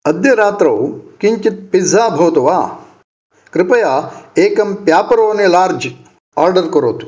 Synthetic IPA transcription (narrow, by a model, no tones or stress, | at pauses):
ɐd̪jɐɾaːt̪ɾɐwkiɲt͡ʃit̪̚pizʱaːbʱɐʋɐt̪uʋaː | kɾɪpɐjaːeːkɐmpjaːpɐɾoːneːlaːɾd͡ʒ | aːɾɖɐɾkɐɾoːt̪u̥